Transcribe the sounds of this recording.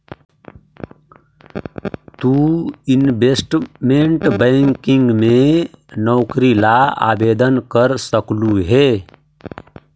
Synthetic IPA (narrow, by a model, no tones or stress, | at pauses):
t̪uɪnbesʈmeɳʈbəɪŋkɪŋɡmẽnɔːkɾilaa̰ːbeːd̪ənkəɾsəkluɦe